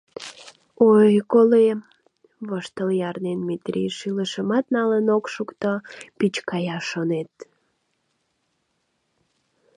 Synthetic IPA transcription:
ojkole | βəʃt̪əljɑrnenmit̪ɾʲḭʃiləʃəmɑt̪nɑlənokʃukt̪opit͡ɕkɑjɑʃonet̪̚

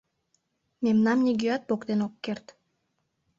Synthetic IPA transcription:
memnɑmnʲiɡyɑt̪̚pokt̪enokːert̪

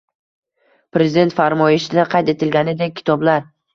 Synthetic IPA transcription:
pɾezɪd̪e̞nt̪faɾmɒjɪʃɪd̪aqʰɑjt̪e̞t̪ʰɪlɡʲanɪd̪ek̚ʲʰːɪ̥t̪ʰɒblaɾ

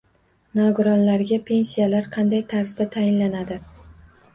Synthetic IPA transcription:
nɒɡʊɾɒnlaɾɡʲapʰe̞nsijalaɾqʰɑnd̪ajt̪ʰaɾsd̪at̪ʰajɪnlanad̪ɪ

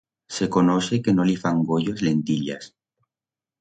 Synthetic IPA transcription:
se̞konosekenolifaŋɡoʎozlent̪iʎas

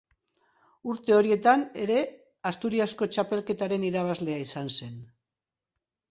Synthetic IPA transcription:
uɾt̪e̞o̞ɾie̞t̪ane̞ɾe̞ | ast̪uɾiasko̞t͡ʃape̞lke̞t̪aɾe̞niɾaβ̞azle̞aisanse̞n

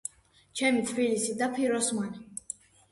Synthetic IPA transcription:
t͡ʃʰɛmit̪ʰbilisid̪apʰiɾɔsman

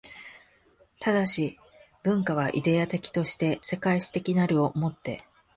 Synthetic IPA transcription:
t̪ad̪aɕi | b̥ɯ̟̃ŋkaβ̞aʔḭd̪e̞at̪e̞kʲi̥t̪o̞ɕi̥t̪e̞se̞kaiɕi̥t̪e̞kʲinaɾɯ̟o̞mo̞t̪ːe̞̰

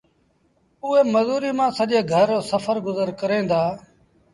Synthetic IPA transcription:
ʊɦeːməzuːɾiːmãːsəʄeːɡʱəɾoːsəfʰəɾɡʊzəɾkəɾẽːnd̪aː

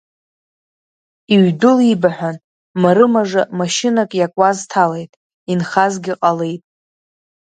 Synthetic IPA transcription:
iɥdʊlibaħʷᶣan | maɾɨmaʐamaʃɪnakʼjakʷʼaztʰale̞jtʼ | inχazɡʲiqʼalejtʼ

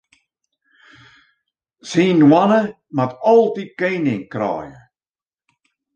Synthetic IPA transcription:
siːnwanə | matɔlˠtit̚keːnɪŋkɾa̰ːjə̰

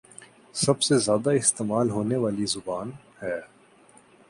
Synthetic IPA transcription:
sɐbsezjaːd̪aɪst̪eːmaːlɦoːneʋaːlizʊbaːn | hɛː

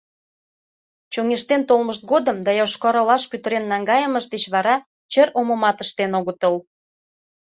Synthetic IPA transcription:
t͡ɕoŋeʃt̪ent̪olməʃt̪̚ɡod̪əmd̪ɑjoʃkoɾolɑʃpyt̪əɾenːɑŋɡɑjəməʃd̪et͡ɕβɑɾɑ | t͡ɕəɾoməmɑt̪əʃt̪enoɣət̪əl

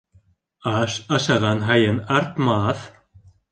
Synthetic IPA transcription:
asasaɣanɦajɛnaɾt̪maːθ

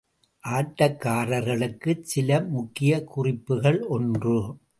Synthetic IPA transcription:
ʔaːʈːɐkːaːɾɐɾɣɐɭɯkːɯsɪlɐmʊkːɪjɐkʊrɪpːɯɣɐɭʔɔndrɯ

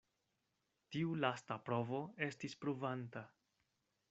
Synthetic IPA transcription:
tiulastapɾo̞vo̞e̞stispɾuvanta

